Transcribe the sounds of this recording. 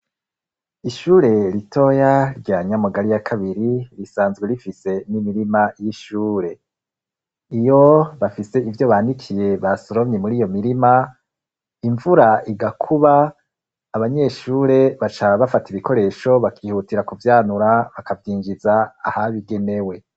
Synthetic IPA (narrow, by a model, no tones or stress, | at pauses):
iʃuːɾe̞ɾitʰo̞jaɾɟaːɲamuɡaɾijakʰaβiɾiɾisaːnzɡweɾifise̞nimiɾimajiʃuːɾe̞ | ijo̞βafise̞ivjo̞βaːndikʰije̞βasoɾomɲemuɾijo̞miɾima | iɱvuɾaiɡakʰuβaː | βaɲe̞ʃuːɾe̞βat͡ʃaβafatiβiko̞ɾe̞ːʃo̞βakʰiːhutiɾakuvjaːnuɾaβakavjiːɲd͡ʒizaːhaβiɡe̞ne̞we̞